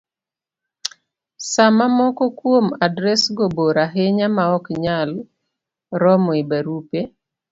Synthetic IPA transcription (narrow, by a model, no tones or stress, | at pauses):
samamɔkɔkwomadɾɛsɡoboɾaɦeɲamaɔkɲal | ɾɔmɔibaɾupe